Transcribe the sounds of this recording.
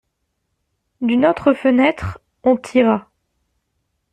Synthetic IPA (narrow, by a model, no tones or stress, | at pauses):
d̪ynot̪χəfənɛt̪χ | ɔ̃t̪ʰiʁa